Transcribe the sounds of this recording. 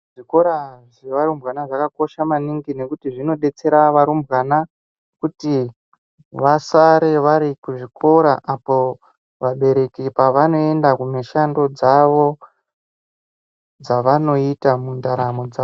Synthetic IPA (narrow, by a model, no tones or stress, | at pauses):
ʐiko̞ɾaʐeʋaɾumbɣanaʐakako̞ʃamaniŋɡine̞kutiʐino̞ɗe̞t͡se̞ɾaʋaɾumbɣana | kuti | ʋasaɾe̞ʋaɾikuʐikʰo̞ɾaʔapo | ʋaɓe̞ɾe̞kipaʋano̞e̞ndakumeʃando̞d͡zaʋo̞ | d͡zaʋano̞itamundaɾamod͡zao